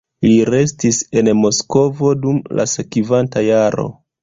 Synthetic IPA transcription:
liɾe̞stise̞nmo̞sko̞vo̞dumla̰sekivantajaɾo̞̰

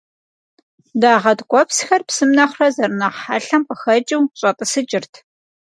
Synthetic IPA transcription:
daːʁɐdkʷʼɔpsxɐrpsɨmnɐχʷrɐzɐrnɐʁħaːɬɐmpəxɐt͡ʃʼɪwɕʼɐtʼɨsɨt͡ʃʼɪrtʰ

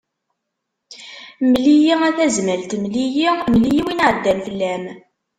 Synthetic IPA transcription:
mlijiæθæzməlt̪mlijimlijiwinʕəd̪ːænfəlːæm

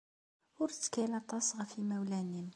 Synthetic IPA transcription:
wʊɾt̪ːkælæt̪ˤɑsˤʁafimæwlænim

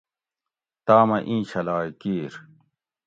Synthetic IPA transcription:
t̪aːmɐʔĩːɕɐlaːikiːɾ

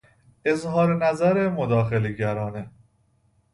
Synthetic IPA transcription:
ezɦɒːɾenæzæɾemod̪ɒːxeleɡæɾɒːne

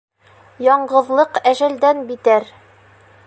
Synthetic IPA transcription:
jɒɴɢɤ̆ðlˠɤqæʒæld̪ænbit̪æɾ

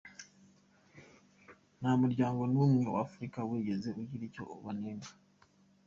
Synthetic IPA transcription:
namuɾɟaːŋɡo̞numewa̰fuɾikaweːɟe̞ze̞oɟiɾico̞̰ːβaneːna

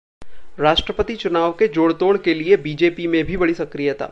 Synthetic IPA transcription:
ɾaːʃʈɾəpət̪it͡ʃʊnaːʋked͡ʒoːɽt̪oːɽkeliebiːd͡ʒeːpimẽbʱibɐɽisɐkɾijət̪ʰa̰ː

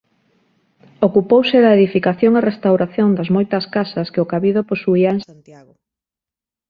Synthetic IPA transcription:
okupowsɪðɐeðifikaθjoŋerest̪awɾaθjond̪ɐzmojt̪ɐskasɐskeokaβiðoposuiaẽŋsant̪jaɣo

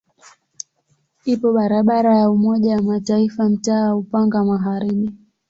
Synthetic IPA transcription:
ipɔɓaɾaɓaɾajaumɔʄawamataifam̩taːaupaŋɡamaɦaɾiɓi

